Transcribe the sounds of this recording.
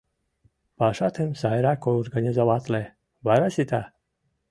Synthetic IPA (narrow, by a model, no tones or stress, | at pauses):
paʃat̪ʰemsajɾakoorɡanʲizavat̪le | vaɾasit̪a